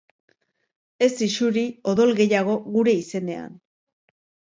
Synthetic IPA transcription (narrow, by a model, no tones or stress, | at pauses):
e̞siʃuɾio̞ðo̞lɣe̞jaɣ̞o̞ɣuɾe̞ise̞ne̞a̰n